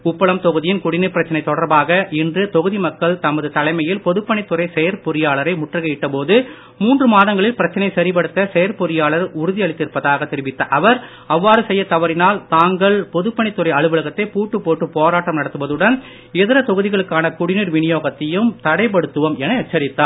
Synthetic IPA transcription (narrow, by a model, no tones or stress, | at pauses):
ʊpːɐɭɐmt̪ɔɣɯðɪjɪnkʊɽɪniɾpɪɾɐt͡ʃːɐnɐɪt̪ːɔɽɐɾbaːɣɐʔɪndrɯt̪ɔɣɯðimɐkːɐɭt̪ɐmːɐðɯt̪ɐlɐɪmɐjɪlpɔðɯpːɐɳɪt̪ːʊɾɐɪsɛjɐɾpɔɾɪjaːɭɐɾɐɪmʊʈrɐɣɐɪʈːɐpoːðɯ | muːndrɯmaːðɐŋɡɐɭɪlpɪɾɐt͡ʃːɐnɐɪsɐɾɪpɐɽɯt̪ːɐsɛjɐɾpɔɾɪjaːɭɐɾʊɾʊðɪjɐɭɪt̪ːɪɾpːɐðaːɣɐt̪ːɛɾɪʋɪt̪ːɐʔɐʋɐɾ | ɐʋːaːɾɯsɛjːɐt̪ɐʋɐɾɪnaːlt̪aːŋɡɐɭpɔðɯpːɐɳɪt̪ːɯɾɐɪɐɭɯʋɯlɐɣɐt̪ːɐɪpuːʈːɯpːoːʈːɯpoːɾaːʈːɐmnɐɽɐt̪ːɯʋɐðɯɽɐn | ɛðɪɾɐt̪ɔɣɯðɪɣɐɭɯkːaːnɐkʊɽɪniɾʋɪnɪjoːɣɐt̪ːɪjɯmt̪ɐɽɐɪp̬ɐɽɯt̪ːɯʋɐmɛnɐɐʈ̚t͡ʃːɐɾɪt̪ːaː